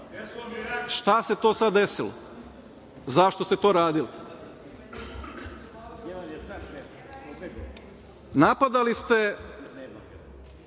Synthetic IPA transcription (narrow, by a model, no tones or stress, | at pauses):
ʃt̪ase̞t̪o̞ːsad̪ːesilo̰ | zaʃt̪o̞st̪et̪o̞ːɾaːd̪ili | napad̪alist̪e̞